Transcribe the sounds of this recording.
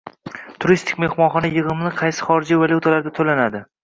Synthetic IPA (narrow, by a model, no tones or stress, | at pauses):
t̪ʰʊɾist̪ʰɪ̥kʲme̞hmɒnχɒnajɨʁɨmnɪqʰɑjsɪ̥χɒɾɪd͡ʒivalʲˠut̪ʰalaɾd̪at̪ʰolanad̪ɪ